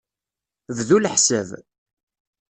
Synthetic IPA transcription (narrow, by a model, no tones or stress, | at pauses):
ððuləħsəv